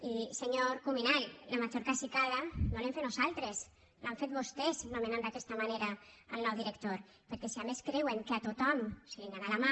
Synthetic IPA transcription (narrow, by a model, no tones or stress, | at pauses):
iseɲoɾkuminallamad͡ʒoɾkasikaðanolemfet̪nosalˠt̪ɾes | laɱfet̪̚βost̪eznomenand̪akɛst̪amaneɾa | əlnɔwðiɾəkt̪oɾ | peɾkɛsiameskɾeweŋkeat̪ot̪ɔmsileŋɡanalama